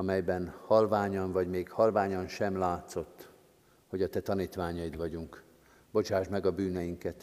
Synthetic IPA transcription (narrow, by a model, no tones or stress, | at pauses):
ɒmɛjbɛnhɒlvaːɲɒnvɒɟmeːkhɒlvaːɲɒnʃɛmlaːt̪so̞t̪ː | ho̞ɟɒt̪ɛt̪ɒniːt̪ʋaːɲɒjid̪ʋɒɟuŋk | bo̞t͡ʃaːʒmɛɡɒbyːnɛjiŋkɛt̪